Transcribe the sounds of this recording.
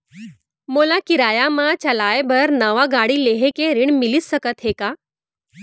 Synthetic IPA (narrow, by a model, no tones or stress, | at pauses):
molakiɾajamãt͡ɕəlajbʱəɾnəʋaɡaɽileɦekeɾiɳ̃milisːəkət̪ɦeka